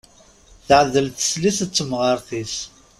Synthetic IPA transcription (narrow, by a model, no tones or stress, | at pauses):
θəʕəðːəlθə̥slisət͡sːəmʁəɾθis